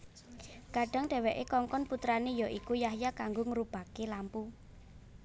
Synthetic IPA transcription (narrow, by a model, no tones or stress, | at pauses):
ɡ̥a̤ɖ̥a̤ŋɖ̥ɛ̤wɛʔekɔŋkɔnput̪ɾanejɔʔikujahjakaŋɡoŋəɾub̥a̤kelampu